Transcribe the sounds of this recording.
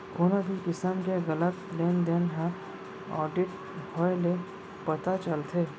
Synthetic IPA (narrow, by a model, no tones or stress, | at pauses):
koːnabʱikɪsəmkeɣələt̪lend̪enɦã | ɔ̰ːɾɖɪʈ | bʱɔele | pɐt̪at͡ʃəlt̪ʰe